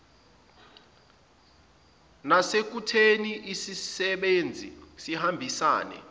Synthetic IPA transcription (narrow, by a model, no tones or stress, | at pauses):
nasek̬utʰeniʔisisɛɓend͡zʱḭsihambʱisa̰ːnɛ̰